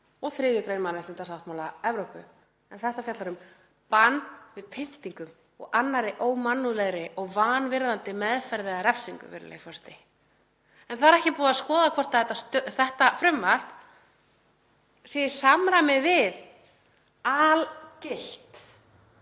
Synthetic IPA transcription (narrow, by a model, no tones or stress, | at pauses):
ɔɣθɾɪːðʏkɾeːjnmanant̪ɪnt̪asawht̪mawlaɛvɾowpʏ | ɛnθɛht̪afjat̪laɾʏm | panvɪðpʰɪn̥t̪iŋkʏm | ɔ̰ɣanːaɾɪʔoːwmanːulɛɣɾɪʔɔɣvaːnvɪɾðant̪ɪmɛðfɛɾðɪɣaɾɛfsiŋkʏ̰vɪ̰ɾlɛ̰ːɣfɔr̥t̪ɪ | ɛnθaɾɛhcɪpuːðaskɔːðakʰvɔr̥t̪aθɛt̪ːast̪θɛht̪afɾʏmːar̥ | sijɪ̥samɾamɪðvɪð | alcɪl̥t̪